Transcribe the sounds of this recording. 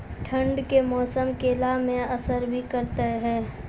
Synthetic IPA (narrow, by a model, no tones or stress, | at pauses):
ʈʰə̃ɳɖkemɔːsəmkeːlamẽɐsəɾbʱikəɾt̪eɦɛ̃ː